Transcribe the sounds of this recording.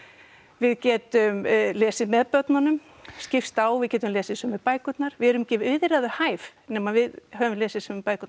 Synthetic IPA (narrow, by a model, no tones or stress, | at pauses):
vɪðcɛːt̪ʏmlɛːsɪmɛðpœt̪nanʏm | scɪfst̪awvɪðcɛːt̪ʏmlɛːsɪsɛmɛðpaːjkʏt̪naɾ̥vɪðɛɾʏmicɪʏðɾaðʏhaːjvnɛmavɪðhœvʏmlɛːsɪsɛmɪpaːjkʏt̪